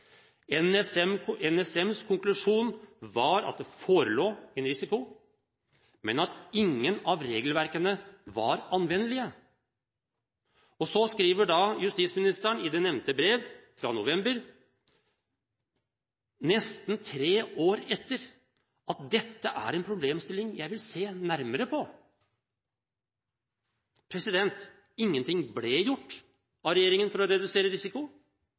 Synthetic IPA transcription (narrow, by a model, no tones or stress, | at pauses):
ɛnɛsɛmɛnɛsɛmskʰʊŋklʉʂuːnʋɑɾɑ̰t̪̚d̪ɛfoːɾəloːɛnɾɪsɪkʊ | mɛnɑt̪ɪŋːənɑʋɾeːɡəlʋæɾkənəʋɑɾɑnʋɛnːəlɪə | ɔsɔskɾiːʋəɖɑjʉst̪iːtsmɪnɪst̪əəɳɪd̪ɛnɛʋnt̪əbɾeːʋfɾɑ̰nʊʋɛmbəɾ | nɛst̪nt̪ʰɾeːoːɾɛt̪ːəɾ | ɑt̪̚d̪ɛt̪ːəʔæ̰ɾɛnpʰɾʊbleːmst̪ɪlːɪŋjæɪʋɪlseːnæɾməɾəpʰɔ | pʰɾɛsɪd̪ɛnt̪ | ɪŋːənt̪ʰɪŋblejʊʈː | ɑʋɾɛjeːɾɪŋənfɔɾɔɾɛd̪ʉseːɾəɾɪsɪkʊ